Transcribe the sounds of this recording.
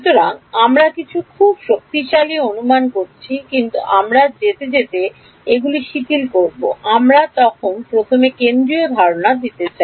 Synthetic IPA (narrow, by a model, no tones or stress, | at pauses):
ut̪oɾaŋamɾakit͡ɕʰukʰubʃok̚t̪iʃalionumankoɾt͡ɕʰikint̪ṵʔamɾad͡ʑet̪ed͡ʑet̪e | eɡuliʃiʈilkoɾbo̰ʔamɾat̪ɔkʰonpɾot̪ʰomekend̪ɾiod̪ʱaɾonad̪it̪et͡ɕa